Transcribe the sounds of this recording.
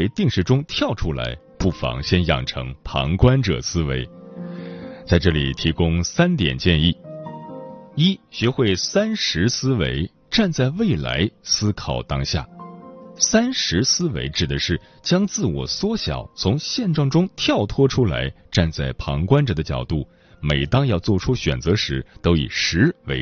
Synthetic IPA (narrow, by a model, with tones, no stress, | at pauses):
e˥˧˥ɪt̪i˥˧ŋʂɻ̩˥˩ʈ͡ʂʊ˥ŋt̪ʰjɑ˥˩ʊʈ͡ʂʰu˥la̰˧˥ɪ | pu˥˩fɑ̰˧˥ŋɕjɛ˥njɑ̰˨˩ŋʈ͡ʂʰɤ̰˧˥ŋpʰɑ̰˧˥ŋkwa˥nʈ͡ʂɤ̰˨˩sɹ̩˥we˧˥ɪ | t͡sa˥˧ɪʈ͡ʂɤ˥˩lḭ˨˩t̪ʰi˧˥kʊ˥ŋsa˥nt̪jɛ̰˨˩nt͡ɕjɛ˥˧ni˥˩ | i˥ɕɥɛ˧˥xwe˥˩ɪsa˥nʂɻ̩˧˥sɹ̩˥wḛ˧˥ɪ | ʈ͡ʂa˥˧nt͡sa˥˧ɪwe˥˩ɪla̰˧˥ɪsɹ̩˥kʰɑ˨˩ʊt̪ɑ˥ŋɕja̰˥˩ | sa˥nʂɻ̩˧˥sɹ̩˥wḛ˧˥ɪʈ͡ʂɻ̩˨˩d̪ə˦ʂɻ̩˥˩ | t͡ɕjɑ˥ŋt͡sɹ̩˥˩wɔ̰˨˩swɔ˥ɕjɑ̰˨˩˦ʊt͡sʰʊ˧˥ŋɕjɛ˥˧nʈ͡ʂɑ˥˩ŋʈ͡ʂʊ˥ŋt̪ʰjɑ˥˩ʊt̪ʰwɔ˥ʈ͡ʂʰu˥la̰˧˥ɪʈ͡ʂa˥˧nt͡sa˥˩ɪpʰɑ˧˥ŋkwa˥nʈ͡ʂə˨˩d̪ə˦t͡ɕjɑ̰˨˩ʊt̪u˥˩ | me˨˩ɪt̪ɑ˥ŋjɑ˥˧ʊt͡swɔ˥˩ʈ͡ʂʰu˥ɕɥɛ̰˨˩nt͡sɤ˧˥ʂɻ̩˧˥t̪o˥ʊḭ˨˩ʂɻ̩˧˥we˧˥ɪ